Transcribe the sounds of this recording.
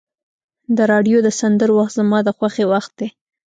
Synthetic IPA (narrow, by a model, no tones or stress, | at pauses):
d̪əɾɑɖjod̪əsand̪əɾwaxt̪zamɑd̪əxwaxewaxt̪̚d̪e